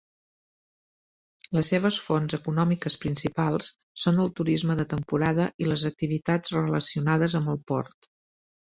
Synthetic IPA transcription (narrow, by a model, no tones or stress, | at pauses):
ləsːeβ̞əsfonzəkunɔmikəspɾinsipalˠsː | onəlˠt̪uɾizməðət̪əmpuɾaðəʔiləzək̚t̪iβ̞it̪ad͡zrələsiunað̞əzəmbəlˠpɔ̰ɾt̪